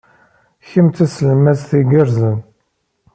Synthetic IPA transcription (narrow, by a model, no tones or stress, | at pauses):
çəmt̪æsləmæsθiɡəɾzən